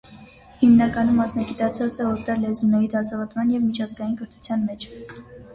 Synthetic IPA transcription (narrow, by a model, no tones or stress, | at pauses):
himnɑkɑnumːɑsnɑɡit̪ɑt͡sʰɑt͡səɔɾd̪ɑɾlɛzunɛɾid̪ɑsɑvɔt̪mɑnjɛvmit͡ʃʰɑzɡɑjinkəɾt̪ʰu̥t͡sʰjɑnmɛt͡ʃʰ